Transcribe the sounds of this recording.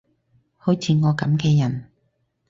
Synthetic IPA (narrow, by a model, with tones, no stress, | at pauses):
ho˨˥wt͡sʰiː˨˧ŋɔː˨˧kɐ˨˥mkɛː˧jɐ˨˩n